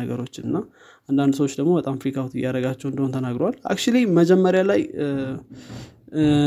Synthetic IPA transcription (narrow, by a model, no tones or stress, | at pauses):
əɡəɾo̞t͡ʃːɨnːa | ʔand̪and̪səwot͡ʃːd̪əɡmo̞bət̪ʼamfɾikʰawt̪jaɾəɡat͡ʃːɛwɨnd̪əhont̪ʰənaɡɾowalʔa̰kt͡ʃuliməd͡ʒɛmːəɾjalaj